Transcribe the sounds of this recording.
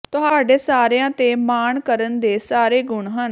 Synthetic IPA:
t̪ʊɦaːɖeːsaːɾejãːt̪eːmaːɳkəɾənd̪eːsaːɾeːɡʊɳɦən

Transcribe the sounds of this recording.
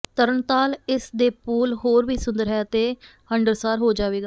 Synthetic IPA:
t̪əɾəɳt̪aːlɪsd̪eːpuːlɦoːɾʋiːsʊnd̪əɾɦɛːət̪eː | həɳɖəɾsaːɾɦoːd͡ʒaːʋeːɡaː

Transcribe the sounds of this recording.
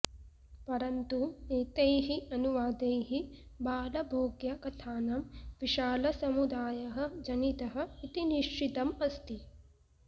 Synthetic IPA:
pɐɾɐnt̪ueːt̪ejɦiɐnuʋaːd̪ejɦi | baːlɐbʱoːɡjɐkɐt̪ʰaːnɐmʋiʃaːlɐsɐmud̪aːjɐɦɐ̆d͡ʒɐnit̪ɐɦɐ̆it̪iniʃit̪ɐmɐst̪i

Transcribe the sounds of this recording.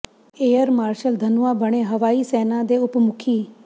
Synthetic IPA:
eːəɾmaːɾʃəld̪ʱənʊãːbəɽ̃eːɦəʋaːiːsɛːnãːd̪eːʊpmʊkʰiː

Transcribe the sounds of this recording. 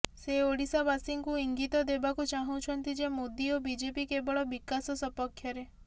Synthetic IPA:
seoɽisabasiŋkuiŋɡit̪ɔd̪ebakut͡ʃaɦũt͡ʃʰɔnt̪id͡ʒemod̪iobid͡ʒepikebɔɭɔbikasɔsɔpɔkʰːjɔɾe

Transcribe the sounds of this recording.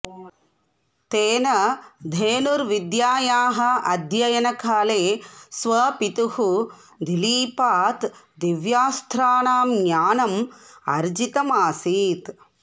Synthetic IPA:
t̪eːnɐd̪ʱeːnuɾʋid̪jaːjaːɦɐʔɐd̪ʱjɐjɐnɐkʰaːleːsʋɐpit̪uhu | d̪iliːpaːt̪ | d̪iʋjaːst̪ʰɾaːnaːmɲjaːnɐmɐ̰ɾd͡ʒit̪ɐmaːsiːt̪

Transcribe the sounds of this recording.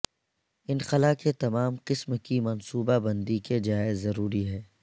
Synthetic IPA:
ɪnxɐlaket̪ɐmaːmqɪsmkimɐnsuːbabɐ̃nd̪iked͡ʒaːɪzːɐɾuːɾiɦɛː

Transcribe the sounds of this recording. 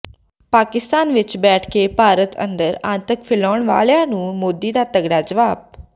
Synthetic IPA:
paːkɪst̪aːnʋɪt͡ʃbɛːʈʰkeːpaːɾət̪ʰə̰nd̪əɾãːnt̪əkpʰɪlɔːɳʋa̰ːljãːnũːmoːd̪iːd̪aːt̪əɡɽaːd͡ʒəʋaːb̚

